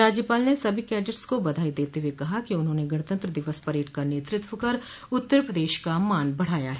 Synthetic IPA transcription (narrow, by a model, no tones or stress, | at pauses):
ɾaːd͡ʒjəpaːlnesɐbʱikɛːɖəɾskobɐd̪ʱaːid̪eːt̪eɦwekɐɦakiʊnɦõːneɡɐɽ̃t̪ə̃nt̪ɾəd̪ɪʋəspɐɾeːʈkaneːt̪ɾɪt̪wəkɐɾ | ʊt̪ːəɾpɾɐd̪eːʃkamaːnbɐɽ̤aːjaɦɛː